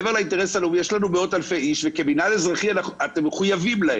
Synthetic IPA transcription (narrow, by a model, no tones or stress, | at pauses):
veʁlainteesalumijeʃlanumeo̞talfe̞jiʃveke̞binadezʁaχianaat̪emːeχujavimlae